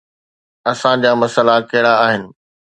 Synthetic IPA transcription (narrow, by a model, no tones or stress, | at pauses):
ɐsãd͡ʑaːmɐsəlakɐɪɽ̃aaːɦɪnɪ̆